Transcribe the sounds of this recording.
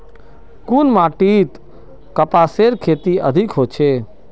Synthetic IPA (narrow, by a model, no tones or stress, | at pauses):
kunmaːʈit̪ | kəpaseɾkʰeːt̪iə̰d̪ʱikɦot͡ʃʰe